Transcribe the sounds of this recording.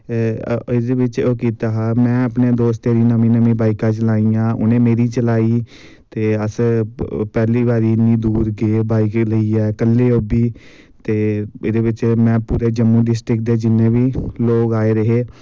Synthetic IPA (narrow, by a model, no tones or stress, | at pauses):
ɪd̪ebɪt͡ʃoːkiːt̪aːɦaːmɛ̃ːəpneːd̪oːst̪eːɾiːnəmĩːnəmĩːbaːɪkãːt͡ʃəlaːĩːãːʔʊ̰nẽːmeːɾiːt͡ʃəlaːiː | t̪eːəs | pɛːliːbaːɾiːɪnːĩːd̪uːɾɡebaːɪkləiːɛːkəlːeːoːbiː | t̪eːɪd̪eːbɪt͡ʃmɛ̃ːpuːɾeːd͡ʒəmːũːɖɪsʈɾɪkd̪eːd͡ʒɪnːẽːbiːloːɡaːeːɾəɦeː